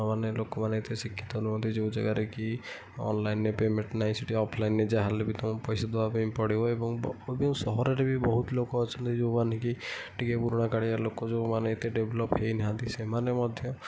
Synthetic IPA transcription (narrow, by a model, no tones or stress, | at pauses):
manelokɔmaneet̪esikʰːi̥t̪ɔɦoluɦɔnt̪id͡ʒoud͡ʒa̰ɡaɾeki | ɔ̰nlajnːepemẽɳʈnaɦĩsiʈiɔpʰlajnːed͡ʒaɦalebit̪ɔ̃pɔjsad̪ebabempɔɽibɔebɔŋob̃sɔɦɔɾeɾebibɔɦut̪lokɔːt͡ʃʰɔnt̪id͡ʒowmanikiʈikepuɾuɽ̃akaɽialokɔd͡ʒomaneːt̪eɖeblɔpɦejniɦãnt̪isemanemɔd̪ʱjɔ